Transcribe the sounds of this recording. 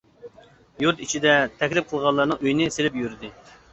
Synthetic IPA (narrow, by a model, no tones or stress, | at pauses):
juɾt̪it͡ʃʰid̪ɛt̪ʰɛkʲlɪp̚qʰəlˠʁɑlˠːɑɾnɨŋøjnɪselɪpjyɾd̪ɪ